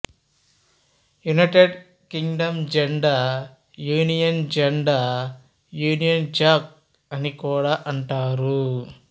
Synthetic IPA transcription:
junɐʈeɖ | kiŋɡɖɐmd͡ʒɛɳɖaː | juːnijɐnd͡ʒɐɳɖaː | juːnijɐnd͡ʒaːk̚ | ɐnikuːɽaːʔɐɳʈaːɾu

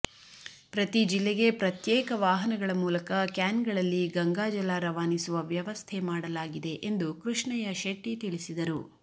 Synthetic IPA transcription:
pɾɐt̪id͡ʒilːeɡe̞pɾɐt̪jɛːkɐʋaːɦɐnɐɡɐɭɐmuːlɐkɐkaːnɡɐɭɐlːiɡɐŋɡaːd͡ʒɐlaːɾɐʋaːnisuʋɐʋjɐʋɐst̪ʰɛmaːɽɐlaːɡid̪e̞ʔend̪ukɾuʂɳɐjɐʃeʈːit̪iɭisid̪ɐɾu

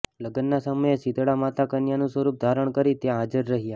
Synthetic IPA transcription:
ləɡənːasəməjesid̪ɽamat̪akənjanũsʋəɾup̚d̪ʱaɾəɳkəɾit̪eɦad͡ʒəɾːəɦija

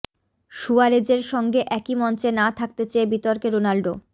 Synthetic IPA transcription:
ʃuaɾed͡ʑeɾʃɔŋɡeʔɛkimɔnt͡ɕenat̪ʰak̚t̪et͡ɕeebit̪oɾkeɾonalɖo

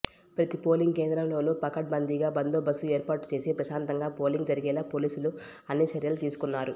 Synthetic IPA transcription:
pɾɐt̪ipo̞ːliŋɡkeːnd̪ɾɐmlo̞ːnupɐkɐʈ̚bɐnd̪iɡaːbɐnd̪oːbɐsueːɾpaːʈu̥t͡ʃe̞ːsipɾɐʃaːnt̪ɐŋɡaːpo̞ːliŋɡd͡ʒɐɾiɡɛːlaːpo̞ːliːsulu | ɐnːit͡ʃɐɾjɐlut̪iːsu̥kunːaːɾu

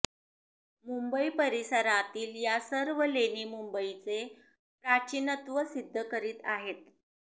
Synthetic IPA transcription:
mumbəipəɾisəɾat̪iːljasəɾʋəleniːmumbəit͡se | pɾat͡ɕinət̪ʋəsid̪ʱːəkəɾiːt̪aɦet̪̚

